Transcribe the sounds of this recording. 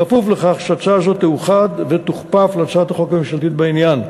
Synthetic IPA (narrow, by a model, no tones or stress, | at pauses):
afufleχaχʃat͡ʃazo̞t̪ːeuχad̪vet̪uχpafleat͡ʃaat̪aχo̞kamiʃalt̪it̪̚bainjan